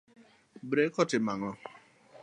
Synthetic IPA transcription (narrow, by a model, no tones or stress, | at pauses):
bɾekɔtɪmaŋɔ